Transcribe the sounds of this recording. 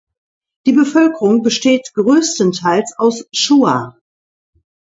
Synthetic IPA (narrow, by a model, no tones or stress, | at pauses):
d̥iːbəfœlkəʁʊŋbəʃteːtɡ̥ʁøːstəntʰaɪlsaʊsʃuːa̰